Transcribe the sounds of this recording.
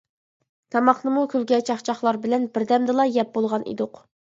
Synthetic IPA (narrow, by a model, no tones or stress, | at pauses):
t̪ʰɑmɑχnɨmukʲʰølɡʲɛt͡ʃʰɑχt͡ʃʰɑχlˠɑɾbɪlɛnbɪɾd̪ɛmd̪ɨlˠɑjɛp̚bolˠʁɑnʔḭd̪ʊq